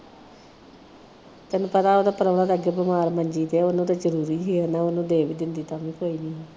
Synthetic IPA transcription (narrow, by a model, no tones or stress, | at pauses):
t̪ɛnũːpət̪aːoːd̪aːpəɾəʋɽãːd̪eəɡeːbəmaːɾməɲd͡ʒiːt̪eːonũːt̪aːd͡ʒəɾuːɾiːɦeːənaːonũːd̪eːʋiːd̪ɪnd̪iːt̪aːʋĩːkoːiːniːɦː